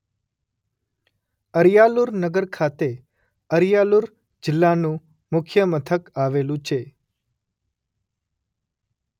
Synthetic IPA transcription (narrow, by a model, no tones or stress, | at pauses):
əɾjaluɾnəɡəɾkʰat̪e | əɾjaluɾ | d͡ʒɪlːanũ | mʊkʰjəmət̪ʰəkaʋelũt͡ʃʰe